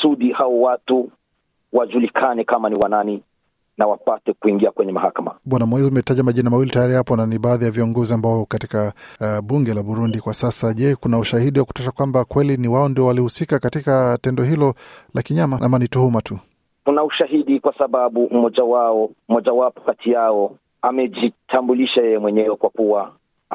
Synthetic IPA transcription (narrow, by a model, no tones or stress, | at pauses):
suɗihaɔwatu | waʄulikʰanɛkamaniwanani | nawapatɛkuiŋɡiakwɛɲɛmahakama̰ɓwanamwɛziumɛtaʄamaʄinamawilitajaɾihapɔnaniɓaːðijaviɔŋɡɔziambaɔkatikaɓuŋɡɛlaɓuɾundikwasasaʄɛkunauʃahiɗiwaku̥taʃakwambakwɛliniwaɔndiɔwalihusikakatikatɛndɔɦilɔlakiɲamaʔamanituhumatu | kunauʃaɦiɗikwasaɓaɓum̩mɔʄawaɔm̩mɔʄawapɔ̥katʰijaɔ | amɛʄitʰambuliʃajɛjɛmwɛɲɛwɛkwakuwa